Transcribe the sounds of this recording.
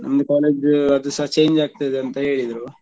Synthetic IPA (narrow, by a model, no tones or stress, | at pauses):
nɐmɐd̪ukaːleːd͡ʒɐd̪usɐɦɐt͡ʃejɲd͡ʒaːɡ̚t̪ajd̪eɐnt̪ɐɦe̞ːɭid̪ɾu